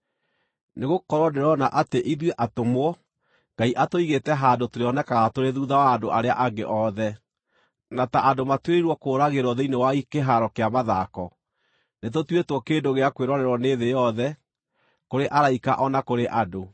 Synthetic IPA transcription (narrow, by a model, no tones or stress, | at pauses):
neɣokɔɾɔdeɾɔnaʔateʔiðweʔatomwɔ | ŋɡ̥aiʔatoiɣetɛɦadotoɾeɔnɛkaɣatoɾeðuðawaːdoʔaɾeaʔaɡḛʔɔðɛ | nataʔadomatweɾeɾwɔkoːɾaɣeɾɔðeinewaikeɦaɾɔkeamaðakɔ | netotwetwɔkendoɣeakweɾɔɾɛɾwɔneðejɔðɛ | koɾeʔaɾaika̰ʔɔnakoɾeʔado